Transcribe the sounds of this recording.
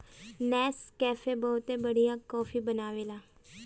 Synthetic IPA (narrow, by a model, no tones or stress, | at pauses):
nɛːskɛːfʰebɔɦʊt̪ẽbəɽijakɔːfʰiːbənaːʋeːlaː